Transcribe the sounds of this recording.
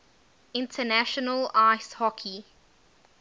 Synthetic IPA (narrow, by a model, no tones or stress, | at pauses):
ɪ̃ntʰənæʃənəlaɪshɔkʰi